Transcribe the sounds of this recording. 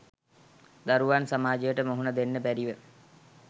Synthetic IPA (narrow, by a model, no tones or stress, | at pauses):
d̪aɾuʋansamaːd͡ʒejəʈəmoɦunad̪enːəbæɾiʋə